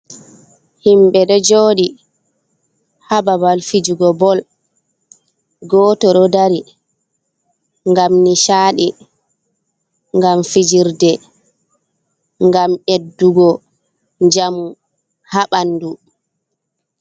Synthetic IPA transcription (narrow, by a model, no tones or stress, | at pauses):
himɓɛɗɔd͡ʒoːɗi | hababalfid͡ʒuɡɔbɔl | ɡɔːtɔɗɔdaɾi | ŋɡamniʃaːɗi | ŋɡamfid͡ʒiɾdɛ | ŋɡamedːuɡɔ | d͡ʒamu | haɓanːdu